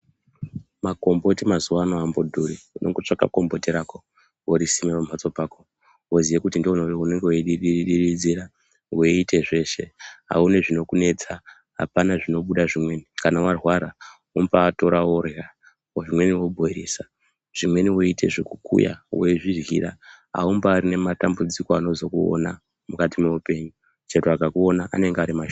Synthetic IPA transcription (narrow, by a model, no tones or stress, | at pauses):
mako̞mbo̞timazuwanoambodʱuɾiinoŋɡot͡ʂaka̰ko̞mbo̞tiɾako | woɾisimepam̤at͡so̞paːko | woziʋekutindionoune̞ŋɡewoiɗiɗiriɗiɾid͡ziɾa | weitʰe̞ʐe̞ʃe̞ɦa̰une̞ʐino̞kune̞t͡sa | ɦa̰panaʐino̞ɓuɗaʐimwe̞nikanawarwaɾa | umbaːto̞ɾawora | oʐimwe̞niwo̞bʱoɾiːsa | ʐ̥imwe̞niwoite̞ʐekukṵja̰weiʐirɣḭra̰ | a̰umbaːrine̞matambud͡zikoano̞zo̞kuo̰na | mukatimeupe̞ɲu | t͡ʃetuaɡʱakuo̞naʔa̰ne̞ŋɡeaɾimaʃ